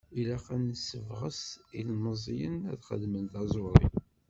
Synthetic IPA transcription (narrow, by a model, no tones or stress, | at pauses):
ilæqænəsːəvʁəsilməzˤjənæ̰ðχə̰ðmənt̪ɑzˤʊɾˤḭ